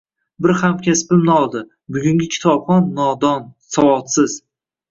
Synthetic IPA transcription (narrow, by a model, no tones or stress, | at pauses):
bɪɾhamkʲʰaspɪmnɪɒlˠd̪ɪ | bʊɡʲʊŋʲɪkʲʰɪ̥t̪ʰɒbχɒnːɒd̪ɒnsawɒt̪sɪz̥